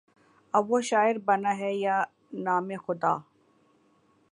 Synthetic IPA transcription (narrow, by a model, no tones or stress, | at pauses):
ɐoʃaːɪɾbɐnaɦɛja | naːmexʊd̪aː